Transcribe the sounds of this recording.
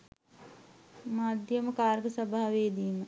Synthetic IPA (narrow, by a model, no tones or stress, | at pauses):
maːd̪ʱjəməkaːɾɡəsəbʱaːaʋeːd̪iːmə